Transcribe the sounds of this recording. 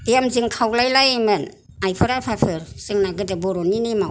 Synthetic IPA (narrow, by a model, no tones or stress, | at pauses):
jamzɯŋkʰawlajlajamɯn | ajpʰɯɾapʰapʰɯɾz̥ɯŋnaɡɯdɯbɔɾɔninimaw